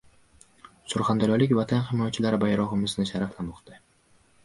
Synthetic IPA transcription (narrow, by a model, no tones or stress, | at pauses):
sʊɾχand̪aɾɒlɪkʲvat̪ʰanχɪmɒjat͡ʃʰɪlaɾɪbajɾɒʁɨmɪznɪʃaɾaflamɒqt̪ɪ